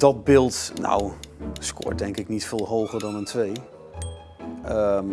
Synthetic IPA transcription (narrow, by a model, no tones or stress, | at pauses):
dɔd̚bɪːlˠtna̰wskʰʊ̰ɹdɛŋkɪknitfɪːlˠɦowχərdɔnəntʰʋej | əm